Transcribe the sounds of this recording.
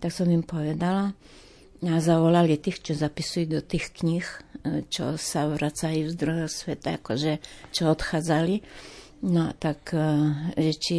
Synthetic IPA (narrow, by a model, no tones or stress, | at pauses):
t̪aksɔmimpoʋɛd̪ala | azaʋɔlalit̪ixt͡ʃɔzapisujud̪ɔt̪iːxkɲixt͡ʃɔ̰saʋɾʔat͡sajuvzd̪ɾɔjɔsʋɛt̪ajakɔʒɛt͡ʃɔɔt̪xaːd͡zali | not̪ak | ʒɛt͡ʃi